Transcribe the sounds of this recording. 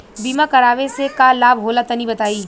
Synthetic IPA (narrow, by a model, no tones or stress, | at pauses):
biːmãkɐɾaːʋesekaːlaːbɦoːlat̪ɐnĩbɐt̪aːiː